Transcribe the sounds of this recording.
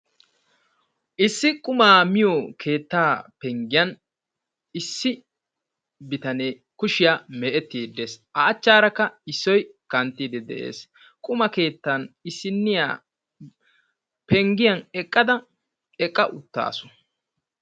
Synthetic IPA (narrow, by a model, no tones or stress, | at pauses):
ʔɪsːɪkʼʊmaːmɪjɔkʰe̞ːt̪ːaːpɛŋɡɪjɐn | ɪsːɪ | bɪt̪ɐneː | kʊʃɪjaːmɛʔɛt̪ːiːd̪ːeːsʔɐːt͡ʃːaːɾɐkːɐɪsːɔjkɐnt̪ːiːd̪ɛd̪ɛ̰ʔe̞̰ːs | kʼʊmɐke̞ːt̪ːanɪsːɪnːɪja̰ː | pɛŋɡɪjɐnɛkʼːɐd̪ɐ | ɛkʼːɐʔʊt̪ːa̰ːsɔ̥